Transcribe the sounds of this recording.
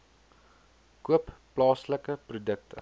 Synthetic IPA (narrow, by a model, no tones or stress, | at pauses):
kuəpːlɑːsləkəprudək̚tə̰